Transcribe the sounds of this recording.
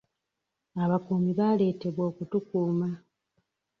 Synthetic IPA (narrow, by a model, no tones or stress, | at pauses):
aβakuːmiβaːle̞ːte̞βwo̞ːkutukuːma